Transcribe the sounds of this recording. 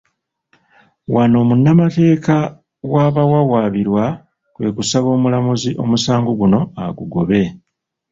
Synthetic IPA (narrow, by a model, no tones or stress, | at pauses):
wano̞ːmunːamate̞ːka | waːβawawaːβiɾwa | kwe̞ːkusaβo̞ːmulamuziʔo̞̰musaːŋɡuɡuno̞aɡuɡo̞βe̞